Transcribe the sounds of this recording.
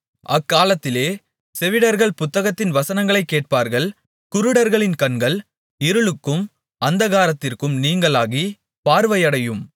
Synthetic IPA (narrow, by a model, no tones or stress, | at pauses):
ɐkːaːlɐt̪ːɪleː | sɛʋɪɽɐɾɣɐɭpʊt̪ːɐɣɐt̪ːɪnʋɐsɐnɐŋɡɐɭɐɪkːeːʈ̚paːɾɣɐɭ | kʊɾɯɽɐɾɣɐɭɪnkɐnɡɐɭ | ɪɾɯɭɯkːɯm | ɐnd̪ɐɣaːɾɐt̪ːɪrkɯmniːŋɡɐɭaːɣi | paːɾʋɐjɐɽɐjɯm